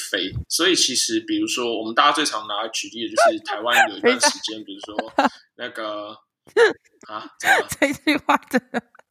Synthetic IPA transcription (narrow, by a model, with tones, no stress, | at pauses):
fe˨˥ɪswɔ˧˦˥i˨˩t͡ɕʰi˧˥ʂɻ̩˧˦pi˨˩ɻu˧˥ʂwɔ˥wɔ˨˩mə˦nt̪a˥˧˩t͡ɕa˥t͡swe˥˩ɪʈ͡ʂʰɑ˧˦ŋna˧˦˧t͡ɕʰy˨˥li˥˩ə˨t͡ɕjo˥˧ʊʂɻ̩˥˩t̪ʰa˧˦ɪwa˦˨ə˨˩i˧˥˩a˥˨nʂɻ̩˧˦t͡ɕjɛ˥npi˨˩ɻu˧˥ʂwɔ˦˥ | na˥˩ɡə˩ | ha˨˦ʈ͡ʂə˥˩i˧t͡ɕy˥˧xwa˥˩ʈ͡ʂə˧˩˦d̪ə˩